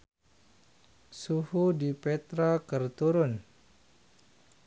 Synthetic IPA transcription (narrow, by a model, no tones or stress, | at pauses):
suhudipɛt̪ɾakərt̪uɾʊn